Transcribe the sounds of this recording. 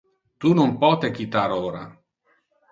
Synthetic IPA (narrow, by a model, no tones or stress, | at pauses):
t̪unompɔːt̪ekit̪aːɾoːɾa̰